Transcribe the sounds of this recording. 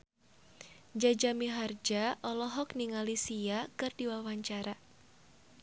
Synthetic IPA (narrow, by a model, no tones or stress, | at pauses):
d͡ʒad͡ʒamiɦard͡ʒaʔɔlɔɦɔk̚niŋalisiakɨrdiwawaɲt͡ʃaɾa